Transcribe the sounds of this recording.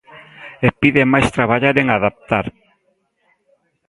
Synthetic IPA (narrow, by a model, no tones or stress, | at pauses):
epiðemajst̪ɾaβaʎaɾeŋaðap̚t̪aɾ